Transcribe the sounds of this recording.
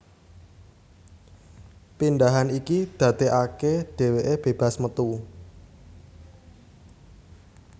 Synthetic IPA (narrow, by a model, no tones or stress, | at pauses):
pindaɦanikid̪̥ä̤t̪eʔakeɖ̥e̤weʔeb̥e̤b̥a̤smət̪u